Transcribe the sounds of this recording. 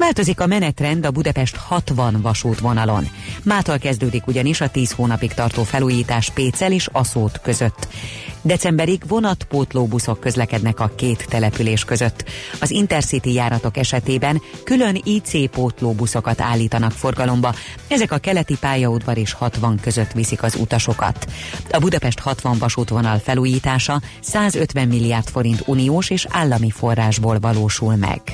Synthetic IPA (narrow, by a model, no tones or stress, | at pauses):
vaːlt̪o̞zikɒmɛnɛt̪rɛnd̪ɒbud̪ɒpɛʃt̪hɒt̪ʋɒnvɒʃuːt̪ʋo̞nɒlo̞̰n | maːt̪olkɛzd̪øːd̪ikuɟɒniʃɒt̪iːshoːnɒpikt̪ɒrt̪oːfɛluːjiːt̪aːʃpeːt̪sɛleːʃɒsoːt̪køzø̞t̪ːd̪ɛt̪sɛmbɛɾiɡvo̞nɒt̪poːt̪loːbuso̞kːø̞zlɛkɛd̪nɛkɒkeːt̪ːɛlɛpyleːʃkø̞zø̞t̪ːɒzint̪ɛrsit̪ijaːɾɒt̪o̞kɛʃɛt̪eːbɛnkylø̞niːt̪seːpoːt̪loːbuso̞kɒt̪a̰ːlːiːt̪ɒnɒkfo̞rɡɒlo̞mbɒ | ɛzɛkɒkɛlɛt̪ipaːjɒud̪vɒɾeːʃhɒt̪ʋɒŋkø̞zøt̪ʋisikɒzṵt̪ɒʃo̞kɒ̰t̪ɒbud̪ɒpɛʃt̪hɒt̪ʋɒɱvɒʃuːt̪ʋo̞nɒlfɛluːjiːt̪aːʃɒ | saːzøt̪ʋɛmːilːijaːrt̪fo̞ɾint̪unioːʃeːʃa̰ːlːɒmifo̞rːaːʒboːlvɒloːʃulmɛ̰ɡ̥